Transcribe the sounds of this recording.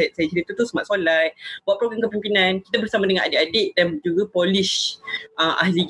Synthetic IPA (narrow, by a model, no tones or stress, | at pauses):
sajat͡ʃəɾit̪ut̪usəmaʔ̪̚solajbuaʔ̪̚pɾoɡamkəpimpinãnki̥t̪abərsamadəŋãnʔa̰dɪʔadɪʔdand͡ʒuɡapoliʃəmʔa̰hli